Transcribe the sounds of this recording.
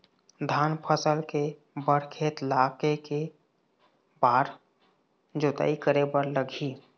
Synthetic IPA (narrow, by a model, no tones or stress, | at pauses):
d̪ʱaːnpʰəsəlke | bəɽ̤kʰeːt̪laːkeke | baːɾ | d͡ʒot̪a̰ːikəɾebəɾləɡʱi